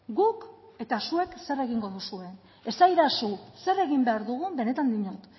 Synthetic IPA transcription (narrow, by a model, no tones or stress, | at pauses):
ɡuk | e̞t̪asue̞kse̞re̞ɣ̞iŋɡo̞ðusue̞ | e̞sajðasuse̞re̞ɣimbe̞aɾðuɣ̞umbe̞ne̞t̪and̪iɲot̪